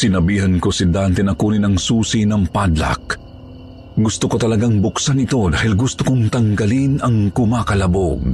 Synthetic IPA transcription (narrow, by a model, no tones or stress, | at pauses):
sɪnɐbiːɦɐnkosid̪ant̪ɛnɐkuːninɐŋsuːsinɐŋpad̪la̰k̚ | ɡʊst̪ʊkot̪ɐlɐɡaŋbʊksanɪt̪o̞d̪aːhilɡʊst̪ʊkoŋt̪ɐŋɡɐlinɐŋkʊmakɐlɐboɡ̚